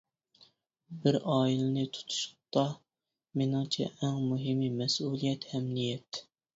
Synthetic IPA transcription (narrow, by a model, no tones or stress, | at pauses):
bɪɾɑːilɨnɪt̪ʰu̥t̪ʰu̥ʃʊ̥p̚t̪ɑ | menɪŋt͡ʃʰɛ̰ʔæŋmuɦɪmːimɛsulˠijɛt̪hɛmnijɛt̪